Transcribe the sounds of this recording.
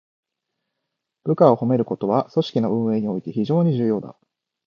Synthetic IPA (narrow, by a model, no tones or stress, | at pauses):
b̥ɯ̟kao̞ho̞me̞ɾɯ̟ko̞t̪o̞βaso̞ɕi̥kʲino̞ɯ̟̃ɰ̃e̞ːɲ̟io̞it̪e̞çiʑo̞ːɲ̟iʑɨːjo̞ːd̪a̰